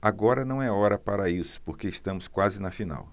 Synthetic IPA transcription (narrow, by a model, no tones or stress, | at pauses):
aɡɔɾɐnɐ̃w̃ɛɔɾɐpaɾɐisʊ̥poɾkeist̪ɐ̃mʊskwazɪnɐfina̰w